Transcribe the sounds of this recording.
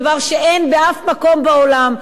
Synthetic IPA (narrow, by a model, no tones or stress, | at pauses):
vaʁʃeʔenbeafmako̞mbaolam